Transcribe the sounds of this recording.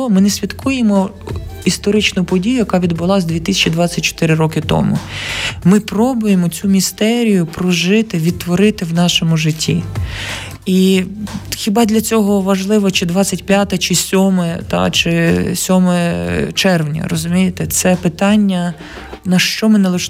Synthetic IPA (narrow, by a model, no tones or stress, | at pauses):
mɪnɛsʲʋʲit̪kujemɔ | ist̪ɔɾɪt͡ʃnʊpɔdʲijʊjɐkɑʋʲid̪bʊlˠɑzd̪ʲʋʲit̪ɪsʲɐt͡ʃid̪ʋɑt͡sʲːɐt̚ʲt͡ʃɔ̥t̪ɪɾɪɾɔkɪt̪ɔ̰mʊmɪpɾɔbʊjemɔt͡sʲumʲist̪ɛɾʲijʊpɾɔʒɪt̪ɪʋʲid̪̚t̪ːʋɔɾɪt̪ɪwnɑʃɔmʊʒɪtʲːi | i | xʲibɑd̪lʲɐt͡sʲɔɦɔʋɐʒlˠɪʋɐt͡ʃɪd̪ʋɑt͡sʲːɐtʲpʲjat̪ɐt͡ʃɪsʲɔmɛt̪ɑ̰t͡ʃɪsʲɔmɛt͡ʃɛrʋnʲɐ̰ɾɔzʊmʲijet̪ɛt̪sɛpɪt̪ɑnʲːɐ | nɐʃt͡ʃɔmɪnɐlˠɪʃ